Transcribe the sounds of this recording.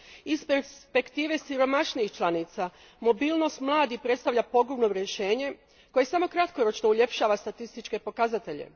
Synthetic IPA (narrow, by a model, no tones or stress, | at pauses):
ispeɾspe̞kt̪iːʋe̞siɾo̞maʃniixt͡ʃlˠaniːt̪sa | mo̞bilˠno̞st̪mlˠaːd̪ipɾe̞t̪st̪aʋʎʲapo̞ɡɾumno̞ɾjeʃe̞ːɲe̞ | ko̞je̞samo̞kɾat̪ko̞ɾo̞t͡ʃno̞uʎe̞pʃaːʋast̪at̪ist̪it͡ʃke̞po̞kazat̪e̞ʎḛ